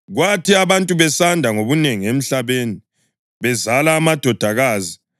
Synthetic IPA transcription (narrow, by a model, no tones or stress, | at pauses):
ɣwatʰiaβantʼuβɛsandʱaŋoβuneŋiem̩ɬaβeːni | βɛzalaːmad̥ʱɔd̥ʱaɣaːzi